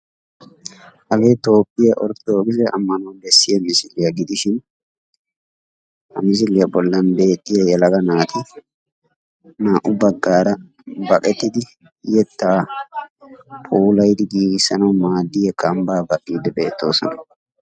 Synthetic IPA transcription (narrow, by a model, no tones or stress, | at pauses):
ʔɐɡe̞ːt̪o̞ːpʼːɪjɐʔɔɾt̪oːɡɪzɛʔɐ̰mːɐnoːnd̪ɛsːɪjɐmɪsɪlɪjɐɡɪd̪ɪʃɪn | hɐ̰mɪs̬ɪlɪjɐbɔlːɐnbe̞ːt̪ʼːɪjɐjɛlɐɡɐnaːt̪ɪ | naːʔʊbɐɡːaːɾɐ | bɐkʼɛt̪ːɪd̪ɪ | jɛt̪ːaː | pʰuːlɐjd̪ɪɡiːɡsɐnɐwmaːd̪ːɪjɛkɐmbaːbɐʔʼːiːd̪ɛbe̞̰ːt̪ːo̞̰ːsɔ̰nɐ